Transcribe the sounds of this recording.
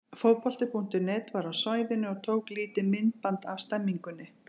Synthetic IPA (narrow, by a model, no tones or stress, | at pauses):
fowpɔl̥t̪ɪpʰun̥t̪ɪnɛːt̪vaɾawsaːjðɪnːʏɔɣt̪ʰoːwkliːt̪ɪmɪnt̪̚pant̪av̥st̪ɛmːiŋkʏnːɪ